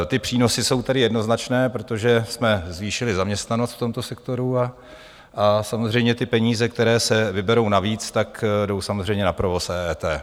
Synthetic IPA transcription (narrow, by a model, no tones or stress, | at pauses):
t̪ɪpr̝̥iːno̞sɪso̞wt̪adɪjɛdno̞znat͡ʃnɛːpɾo̞t̪o̞ʒɛsmɛzviːʃɪlɪzamɲɛst̪nanost̪ft̪o̞mt̪o̞sɛkt̪o̞ɾua | ʔasamozr̝ɛjmɲɛt̪ɪpɛɲiːzɛkt̪ɛɾɛːsɛvɪbɛɾo̞wnaviːt͡st̪akdo̞wsamo̞zrɛjɲɛnapɾovosɛːɛːt̪ɛː